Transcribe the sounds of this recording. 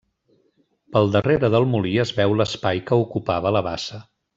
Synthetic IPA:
pəlˠd̪əreɾəðəlˠmuliəzβɛwləspajkəukupaβələβ̞asə

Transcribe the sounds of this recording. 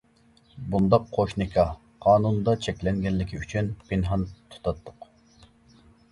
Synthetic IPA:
bund̪ɑqːʰoʃnɨkʰɑ | qʰɑːnund̪ɑt͡ʃʰɛkʲlɛŋɡʲɛnllːɪkʲʰiyt͡ʃʰynpʰɪnɦɑnt̪ʰu̥t̪ʰɑt̪ʰːʊq

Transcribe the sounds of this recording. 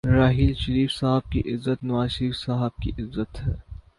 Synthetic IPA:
ɾaːɦilʃɐɾiːfsaɦəb̚kiʔɪzːət̪nɐʋaːʃəɾiːfsaɦəb̚kḭʔɪzːət̪ɦɛː

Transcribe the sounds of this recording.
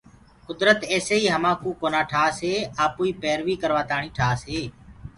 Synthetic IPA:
kʊd̪ɾət̪eːseːiːɦəmãːkũːkoːnãːʈʰaːseːaːpuːiːpeːɾʋiːkəɾʋaːt̪aːɳiːʈʰaːseː

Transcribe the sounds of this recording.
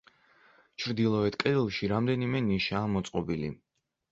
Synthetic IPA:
t͡ʃʰɾd̪ilˠɔɛt̪ʰkʼɛd̪ilˠʃiɾamd̪ɛnimɛniʃaːmɔt̪sʼqʼɔbili

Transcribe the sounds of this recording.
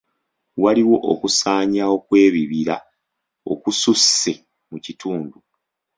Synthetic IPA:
waliwo̞ʔo̰kusaːɲao̞kwe̞ːβiβiɾa | o̞̰kususe̞ | mucituːndu

